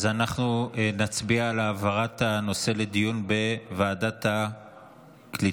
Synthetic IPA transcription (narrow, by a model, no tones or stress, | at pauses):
zanaχnuenat͡sbiaːlaːvaʁat̪ano̞se̞le̞d̪ijunbe̞vaːdat̪a | kli